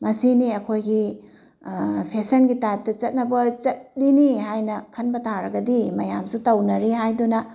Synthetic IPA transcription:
mɐsiniɐkʰojɡi | pʰesɐnɡitajp̚dɐt͡ʃɐt̚nɐbɐt͡ʃɐt̚liniɦajnɐkʰɐnbɐtʰaɾɐɡɐdimɐjamsutɐwnɐɾihajdunɐ

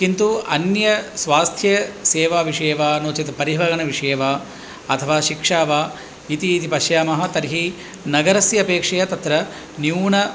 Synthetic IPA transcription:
kint̪uɐnjɐsʋaːst̪ʰjɐseːʋaːʋiʂɐːʋaːnoːt͡ʃit̪ɐpɐɾiʋɐɡɐɳɐʋiʂeːʋaː | ɐt̪ʰɐʋaːʃikʂaːʋaː | it̪iːt̪ipɐʃjaːmɐɦɐ̆t̪ɐɾɦi | nɐɡɐɾɐsjɐɐpeːkʂɐjɐt̪ɐt̪ɾɐ | njuːɳɐ

